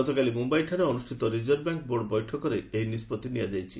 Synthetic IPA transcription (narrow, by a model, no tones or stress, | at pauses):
ɔt̪ɔkalimumbajʈʰaɾeɔnusʈʰit̪ɔɾid͡ʒɔɾbaŋkboɖbɔjʈʰɔkɔɾeejnispɔt̪ːinijad͡ʒajt͡ʃʰi